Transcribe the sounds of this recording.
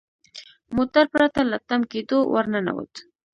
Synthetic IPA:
mot̪aɾpɾat̪alat̪amked̪owaɾnana̰wə̰t̪

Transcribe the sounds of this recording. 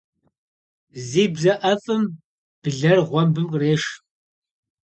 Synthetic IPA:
ziːbzɐʔɐfʼɨm | b̥ɨɮɐrʁʷɔmbɨmqreːʃ

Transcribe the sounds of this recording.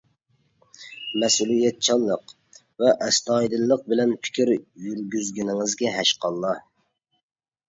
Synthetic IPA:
mɛsulijɛt̪̚t͡ʃʰɑlˠːəq | vɛʔɛst̪ɑjd̪ɨlˠːəq̚bɪlɛnpʰɪ̥kʲʰiɾjyɾɡʲyzɡʲinɪŋɪzɡʲɛɦɛʃqɑlˠːɑ

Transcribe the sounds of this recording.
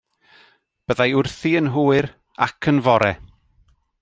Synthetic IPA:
b̥əðajʊrθiənɦuːɨɾ | a̰kʰənvɔɾɛ

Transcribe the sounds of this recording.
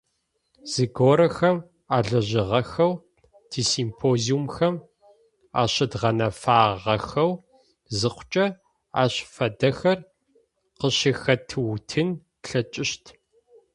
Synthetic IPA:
z̥ɨɡoːɾɐxɐm | aːɮɐʑɪʁɐxɐw | tʰiːsiːmpʰoːziumxɐm | a̰ːɕɐdʁɐnɐfaːʁɐxɐw | zɨqʷʊ̥t͡ʃʼɐ | a̰ːɕfɐdɐxɐr | qəɕɪxɐtʰɨwtʰɨn | ɬɐt͡ʃʼɪɕtʰ

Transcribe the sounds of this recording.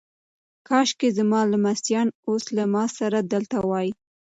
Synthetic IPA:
kɑʃkezmɑlamasjɑnoslamɑsaɾad̪əlt̪awɑji

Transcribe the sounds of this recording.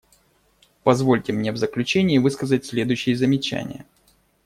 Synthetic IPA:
pɐzvo̞lʲtʲɪmnʲevzəklʲʉt͡ɕenʲɪːvɨskəzətʲsʲlʲe̞d̪ʊjɕːɪjəzəmʲɪt͡ɕæ̰nʲɪ̰jə̰

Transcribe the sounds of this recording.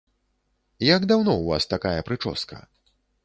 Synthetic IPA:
jaɡd̪awnɔwvast̪akajɐpɾɨt͡ʂɔ̰skɐ̰

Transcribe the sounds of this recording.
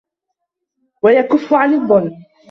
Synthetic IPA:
wajakʊfːʊʕanɨðˤːʊlː

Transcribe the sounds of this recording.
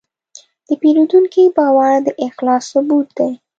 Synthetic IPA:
d̪̥əpeɾud̪uŋkibɑwaɾd̪əʔɪxlɑsːʊbut̪̚d̪aj

